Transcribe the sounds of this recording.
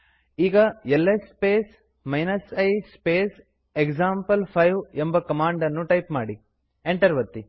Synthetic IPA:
iːɡɐelːespeːs | mɐjnɐsɐjspeːs | ekd͡ʒaːmpɐlpʰɐjʋembɐkɐmaːɳɖɐnːuʈɐjpmaːɽi | eɳʈɐɾʋɐt̪ːi

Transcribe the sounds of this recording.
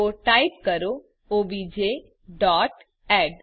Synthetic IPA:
oʈaipkəɾo | oʋid͡ʒe | ɖɔʈ | ɛɖ

